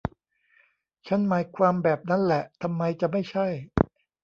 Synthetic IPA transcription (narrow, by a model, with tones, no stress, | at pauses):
t͡ɕʰa˦˥nmaː˨˩˦jkʰwaː˧mbɛː˨˩p̚na˦˥nlɛ˨˩ʔt̪ʰa˧mːa˧jt͡ɕa˨˩ma˥˩jt͡ɕʰa˥˩j